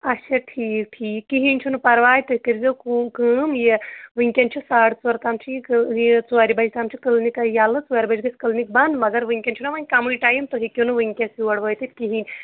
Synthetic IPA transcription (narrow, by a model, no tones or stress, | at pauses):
ɐʃʰɐʈʰiːk̚ʈʰiːkːiɦinʲt͡ʃʰunɨpɐɾʋaːjt̪ɨkɨɾzewkukɨmjeʋɨŋkʲɐnt͡ʃʰusaːɽt͡sɐɾt̪aːmt͡ʃʰikjt͡suaːɾibɐd͡ʒt̪aːmt͡ʃʰikɨlnikɐjaːlɨt͡suaɾʲibɐd͡ʒɡɐsʲkɨlnik̚bɐnd̪mɐɡɐɾʋɨŋkʲɐnʲt͡ʃʰunɐʋanʲkamuliʈaːjimt̪oɦikʲjonɨʋɨŋʲkʲɐkiʋɐɽʋəːjt̪it̪̚kiɦinʲ